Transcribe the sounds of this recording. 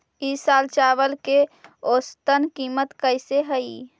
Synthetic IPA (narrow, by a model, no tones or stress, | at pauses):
isaːlt͡ʃaːʋəlkeost̪ənkiːmət̪kəɪseɦəi